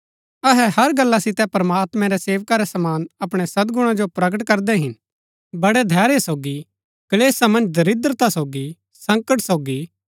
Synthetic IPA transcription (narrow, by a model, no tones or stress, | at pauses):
ɐɦɛhɐɾɡɐlːasɪt̪ɛpɐɾmaːt̪mɛ̃ɾɛseːʋkaɾɛsɐmaːnɐpɽ̃ɛsɐd̪̚ɡʊɽ̃ãd͡ʒopɾɐɡəʈkɐɾd̪ɛɦɪn | bɐɽɛd̪ʱɛːɾesoːɡi | kɐleːsamɐ̃nd͡ʒd̪ʱɐɾɪd̪ɾət̪asoːɡi | sɐ̃ŋkəʈsoːɡi